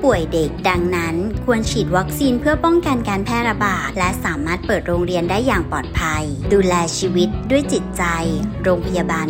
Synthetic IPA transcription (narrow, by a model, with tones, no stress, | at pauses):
pu˨˩əjde˨˩k̚da˧ŋna˦˥nkʰu˧ənt͡ɕʰiː˨˩t̪̚wa˦˥k̚siː˧npʰɯ˥˩ɐpɔ˥˩ŋka˧nkaː˧npʰɛː˥˩ɾa˧baː˨˩t̪̚lɛ˦˥saː˩˦maː˥˩t̪̚pɤː˨˩t̪̚ɾoː˧ŋɾi˧əndaː˥˩jːaː˨˩ŋpɔː˨˩t̪̚pʰa˧j | duː˧lɛː˧t͡ɕʰiː˧wi˦˥t̪̚du˥˩əjt͡ɕi˨˩t̪̚t͡ɕa˧jɾoː˧ŋpʰa˧jaː˧baː˧n